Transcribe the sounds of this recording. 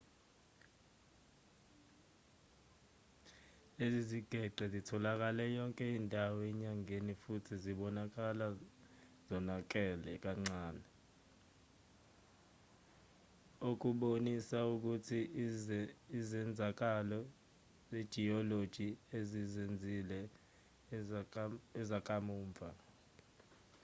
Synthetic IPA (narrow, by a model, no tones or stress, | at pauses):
eziziɡ̥ʱɛɡ͡ǀʱɛzitʰɔlak̬alɛjɔŋkʼɛiːndʱawɛɲaŋenifutʰiziɓɔnak̬ala | zɔnak̬ʼɛlɛk̬aŋ͡ǀaːnɛ | ok̬uɓonisauk̬utʰi | zɛnd͡zʱak̬alɔ | zed̥ʒ̥ʱiɔlod̥ʒ̥ʱiezizend͡zʱilɛ | ɛzak̬ʼamuːɱvʱa̰